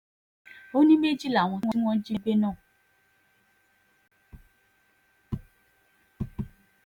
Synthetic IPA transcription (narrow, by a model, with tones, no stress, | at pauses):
o˦nĩ˦me˦˨d͡ʒi˦˨la˨w̃ɔ̃˧˦wɔ̃˦i˦w̃ɔ̃˦d͡ʒi˦ɡ͡be˦nãː˦˨